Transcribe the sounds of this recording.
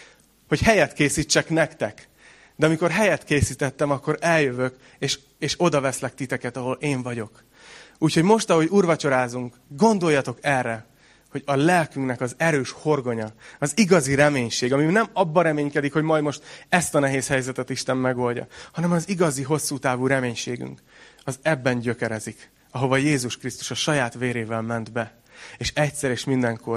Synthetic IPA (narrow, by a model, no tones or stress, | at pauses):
ho̞chɛjɛt̪keːsit͡ʃːɛknɛkt̪ɛk | d̪ɛɒmiko̞rɦɛjɛt̪keːsit̪ɛt̪ːɛmɒkːo̞ɾɛljøvøk | eːʃ | eːʃo̞d̪ɒvɛslɛk̚t̪it̪ɛkɛt̪ɒɦo̞leːɱvɒɟo̞k | uːcho̞ɟmo̞ʃt̪ɒɦo̞ɟuːrvɒt͡ʃo̞ɾaːzuŋk | ɡo̞nd̪o̞jːɒt̪o̞kɛrːɛ | ho̞ɟɒlɛlkyŋknɛkɒzɛɾøːʃho̞rɡo̞ɲɒɒziɡɒziɾɛmeːɲʃeːɡɒminɛmɒbːɒɾɛmeːɲkɛd̪ikho̞ɟmɒjd̪mo̞ʃt̪ɛst̪ɒnɛɦeːshɛjzɛt̪ɛt̪iʃt̪ɛmːɛɡo̞ːlɟɒ̰hɒnɛmɒziɡɒziɦo̞sːuːt̪aːvuːɾɛmeːɲʃeːɡy̰ŋk | ɒzɛbːɛɲɟø̞kɛɾɛzik | ɒɦo̞vɒjeːzuʃkrist̪u̥ʃɒʃɒjaːt̪ʋeːɾeːvɛlmɛnd̪bɛ | eːʃɛcsɛɾeːʃmind̪ɛŋko̞r